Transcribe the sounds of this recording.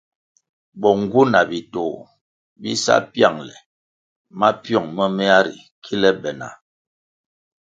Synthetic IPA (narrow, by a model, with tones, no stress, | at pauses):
bɔ˨ŋ˦ɡu˦na˨bi˨to˨ | bi˦sa̰˦pja˦˨ŋlɛ˨ | ma˦pjɔ˦˨ŋmə˦mɛ˦a˦ɾḭ˨ | kʰi˦lɛ˦bɛ˨na̰˨